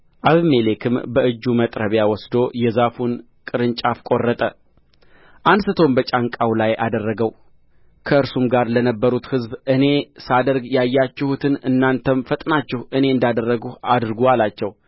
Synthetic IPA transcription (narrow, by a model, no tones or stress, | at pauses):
ʔaβɨmelekʰɨmbəʔɨd͡ʒːumət̪ʼɾəβjawɔsd̪o̞jɛzafun | kʼɨɾɨnt͡ʃʼafkʼo̞rːət̪ʼə | ʔansɨt̪ʰo̞mbət͡ʃʼaŋkʼawlajʔad̪ərːəɡəw | kʰəɨɾsumɡaɾlənəbːəɾut̪hɨzbɨne̞sad̪əɾɡjajːat͡ʃːɛhut̪ʰɨnɨnːant̪ʰəmfət̪ʼnat͡ʃːɛhʔɨne̞ɨnd̪ad̪ərːəɡuad̪ɾɨɡualat͡ʃːɛw